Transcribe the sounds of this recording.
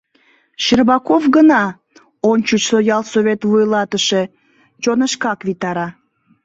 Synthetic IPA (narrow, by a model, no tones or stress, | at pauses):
ʃərβɑkofɡənɑ | ont͡ɕut͡ɕsojɑlˠsoβet̪vujlɑt̪əʃe̽ | t͡ɕonəʃkɑkβit̪ɑɾɑ